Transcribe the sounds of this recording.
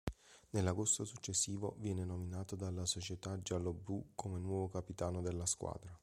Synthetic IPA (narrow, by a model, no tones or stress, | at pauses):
nelːaɡost̪osut͡ʃːesːiːvo̰vjɛːnenominaːt̪od̪alːasot͡ʃet̪ad͡ʒalobɾukʰomenwɔːvokapit̪aːnod̪elːaskwa̰ːd̪ɾa